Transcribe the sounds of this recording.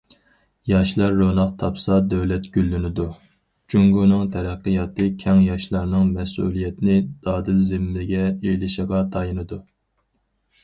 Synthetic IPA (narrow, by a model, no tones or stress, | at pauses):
jɑʃlˠɑɾːonɑqt̪ʰɑpsɑd̪ɛwlɛt̪ɡ̥ʲylːynɪd̪u | t͡ʃʰyŋɡunɨŋt̪ʰɛɾæqːəjɑt̪ɨkʲʰɛŋjɑʃlˠɑɾnɨŋmɛsṵlˠijɛt̪ʰɪnɪd̪̥ɑːd̪ɪlzɪmːlɪɡʲɛelɪʃəʁɑt̪ʰɑjinɨd̪u